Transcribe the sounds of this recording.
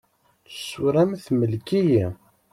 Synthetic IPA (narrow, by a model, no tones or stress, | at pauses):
ə̥suɾæmθməlkiji